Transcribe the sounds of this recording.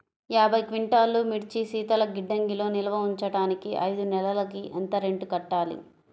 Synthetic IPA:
jaːbʱɐjkʋiɳʈaːlːumiɽt͡ʃisiːt̪ɐlɐɡiɖːɐŋɡilo̞ːnilɐʋɐuɲt͡ʃɐɽaːnikiʔɐ̰jd̪unɛlɐlɐkiʔɐ̰nt̪ɐɾeɳɖukɐʈːaːlḭ

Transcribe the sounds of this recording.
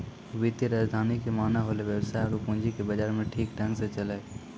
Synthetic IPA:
ʋit̪iɾaːd͡ʒd̪ʱaːnikʰemaːnaɦoːleʋjəwsaːɪɾukʊ̃ɦɲd͡ʒikebɐd͡ʒaːɾmẽʈʰiːkʈɐ̃ŋɡsẽt͡ʃɐlae

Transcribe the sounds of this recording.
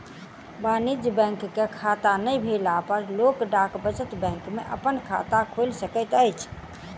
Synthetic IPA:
banid͡ʒbɛ̃ŋkːekʰat̪anəjbʱelapəɾlokɖakbət͡ʃət̪bɛ̃ŋkmeʔəpənkʰa̰t̪akʰolsəkət̪əjt͡ʃʰ

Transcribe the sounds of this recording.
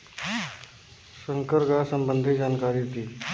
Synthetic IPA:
səŋkəɾɡasəmbənd̪ʱiːd͡ʑankaɾiːɦot̪iː

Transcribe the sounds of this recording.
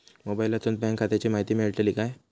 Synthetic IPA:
mobailːat͡sund̪̚bɛ̃ŋkʰːat̪jat͡ɕiːmaɦit̪iːmiɭʈ̪eliːkaj

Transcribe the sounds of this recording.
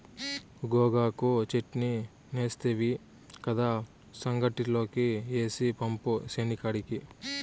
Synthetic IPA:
ɡoːɡaːkut͡ʃeʈni | neːst̪eʋi | kɐd̪aː | sɐŋɡɐʈilo̞ːkieːsipɐmpusenikɐɽiki

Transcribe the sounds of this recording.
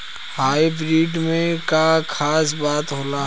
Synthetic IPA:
haːibɾiːɖmẽkakʰaːs̬baːt̪ɦoːla

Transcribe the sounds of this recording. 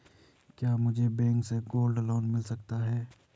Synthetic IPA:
kjaːmʊd͡ʒʱebɛ̃ːŋkseɡoːlɖlɔːnmɪlsɐkt̪aɦɛː

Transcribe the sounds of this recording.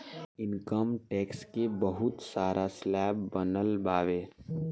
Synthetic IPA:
ɪnkəmʈeːkskebəɦʊt̪saːɾʔaslɛːbbənəlbaːʋeː

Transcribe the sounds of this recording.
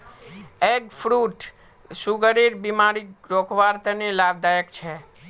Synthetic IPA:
eɡfɾuʈ | suɡəɾiɾbimaɾiɾokʰʋaɾt̪ənelab̚d̪ajəkt͡ʃʰe

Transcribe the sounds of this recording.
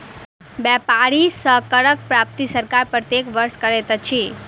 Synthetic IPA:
bɛpaɽisəkəɾək̚pɾap̚t̪isəɾkaɾpɾət̪jekʋəɾʃkəɾet̪ət͡ʃʰi

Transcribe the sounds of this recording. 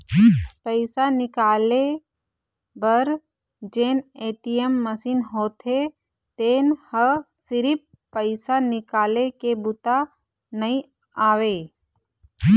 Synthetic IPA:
pəɪsanɪkaːle | bəɾ | d͡ʒeːneːʈijemːəsiːnɦoːt̪ʰe | t̪eːnhəsɪɾɪp | pəɪsanɪkaːlekebʊt̪a | nɐĩ | aːweː

